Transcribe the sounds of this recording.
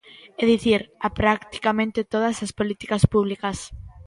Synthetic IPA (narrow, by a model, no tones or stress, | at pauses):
ɛðiθiɾapɾakt̪i̥kamẽnt̪et̪oðasaspolit̪ikaspuβ̞likas